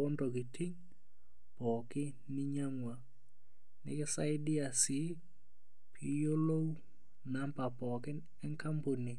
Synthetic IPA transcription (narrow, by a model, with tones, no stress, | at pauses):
ɔ˦ndo˨k̬ɪ˨ti˦ŋ | pɔ˨kɪ˦ | nɪ˦ɲa˦ŋwa˨ | nɪ̰˦kɪ˦sa˦ɪ˦dɪ˦a˨sɪ˦ | pʰi˨jo˦lo˦w | na˦mpa˨pɔ˨kɪ˦n | ɛ˦ŋka˦mpo˨ni˨